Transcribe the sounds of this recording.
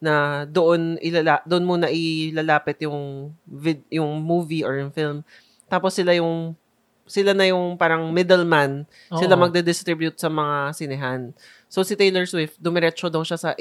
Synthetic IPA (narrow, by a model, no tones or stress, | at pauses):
nɐd̪oʔonʔɪlalad̪oʔonmonɐʔɪlalaːpɪt̪jʊŋvɪd̪jʊŋmuːviʔɔɹjʊŋfɪlm | t̪aːposːɪlajʊŋ | sɪlanɐjʊŋpaːɾɐŋmɪd̪ɛlman | sɪlamɐɡ̚d̪ɛd̪ɪst̪ɾɪbjʊt̪̚sɐmɐŋasɪnɪɦan | sowsɪt̪ejlɛɹswɪft̪̚d̪ʊmɛɾɛt͡ʃod̪ɐwʃasɐʔ